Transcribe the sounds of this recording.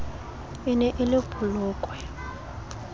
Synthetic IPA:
ɪnɛʔɪlɪb̥ʱulʊːkʼwɛ

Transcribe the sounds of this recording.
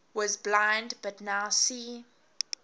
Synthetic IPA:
wɔzblãɪ̃ndbatnaʊsiː

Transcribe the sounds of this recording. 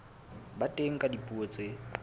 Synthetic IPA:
batʼeŋ̩kʼadipʼuot͡sʼe

